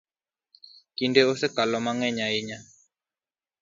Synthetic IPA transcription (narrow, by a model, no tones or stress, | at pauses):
kindɛosɛkalɔmaŋɛɲaiɲa